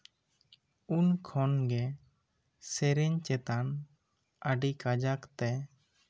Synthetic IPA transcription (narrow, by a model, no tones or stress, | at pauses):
unkʰɔnɡɛ | sɛɾɛɲt͡ʃɛt̪an | əɖikad͡ʒakt̪ɛ